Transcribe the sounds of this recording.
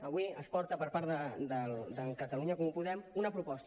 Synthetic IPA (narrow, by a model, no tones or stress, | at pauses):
əβwiəspɔɾt̪əpəɾpaɾt̪əd̪əld̪əŋkət̪əluɲəkɔmupuðɛmunəpɾupɔst̪